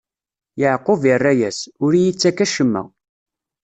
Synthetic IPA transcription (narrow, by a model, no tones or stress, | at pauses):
jəʕqːovjərˤːæjæsʊɾijit͡sːækːæʃəmːæ̰